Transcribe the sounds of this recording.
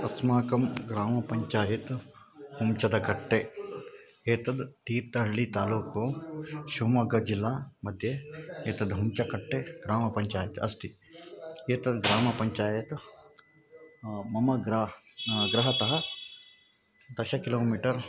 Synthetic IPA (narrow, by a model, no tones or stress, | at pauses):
ɐsmaːkɐmɡɾaːmɐpɐɲt͡ʃaːjit̪humt͡ʃɐd̪ɐkɐʈːe | eːt̪ɐd̪t̪iːɾt̪ɐɦɐɭːit̪aːluːkoːʃuːmɐɡɐd͡ʒilːaːmɐd̪ʱjɐeːt̪ɐd̪ɦumt͡ʃɐkɐʈːeɡɾaːmɐpɐɲt͡ʃaːjɐt̪ɐst̪i | eːt̪ɐd̪ɡɾaːmɐpɐɲt͡ʃaːjɐt̪ | mɐmɐɡɾa | ɡɾɐɦɐt̪ɐɦɐ | d̪ɐʃɐkiloːmiːʈɐɾ